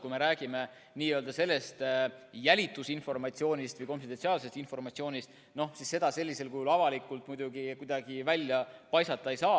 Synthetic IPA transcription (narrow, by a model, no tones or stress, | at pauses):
kujme̞ɾæːɡ̥ime̞ | niːøːld̪ɑse̞lːe̞st̪jælʲit̪ːˑusinfo̞rmɑt̪sio̞ːnʲist̪vɯjko̞nfid̪̥ensiɑːlse̞st̪info̞rmɑt̪sio̞ːnʲist̪ | no̞sisːe̞d̪̥ɑse̞lʲːise̞lkujulɑvɑlikːˑult̪ˑmujd̪uɡikud̪̥ɑɡ̥ivælʲjɑpɑjsɑt̪ːˑɑejsɑː